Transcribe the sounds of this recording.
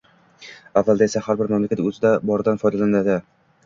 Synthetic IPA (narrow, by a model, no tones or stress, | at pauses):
avːalˠd̪aesahaɾbɪɾmamlakʲʰat̪ɵzɪd̪abɒɾɪd̪anfɒjd̪alanad̪ɪ